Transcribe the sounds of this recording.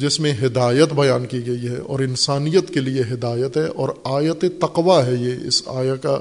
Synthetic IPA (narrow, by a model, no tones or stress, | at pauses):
d͡ʒɪsmẽɦɪd̪aːjət̪bɐjaːnkiɡɐiɦɛ̰ʔɔ̰ːɾɪnsaːnijət̪kelieɦɪd̪aːjət̪ɦɛʔɔːɾaːjət̪et̪ɐqʋaɦɛjeɪ̰sa̰ːjaka